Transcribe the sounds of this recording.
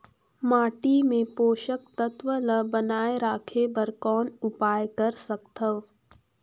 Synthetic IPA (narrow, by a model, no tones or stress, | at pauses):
maːʈimẽpoːʃək̚t̪ɐt̪ʋələbɐnaːeɾaːkʰebəɾkɔːnʊpaːjkɐɾsɐkt̪ʰəʋ